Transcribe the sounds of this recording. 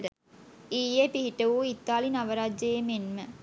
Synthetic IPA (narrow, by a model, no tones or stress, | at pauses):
də | iːjjepiɦiʈəʋuit̪ːaːlinaʋəɾad͡ʒejemenmə